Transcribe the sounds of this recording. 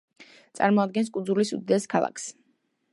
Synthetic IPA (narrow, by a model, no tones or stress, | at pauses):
t̪sʼaɾmɔad̪̚ɡɛnskʼud̪zulisṵd̪ɛskʰalˠa̰kʰs